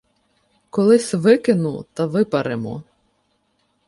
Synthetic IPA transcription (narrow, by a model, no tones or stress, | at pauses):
kɔlˠɪsʲʋɪkɪnut̪ɐʋɪpɐɾɪmɔ̰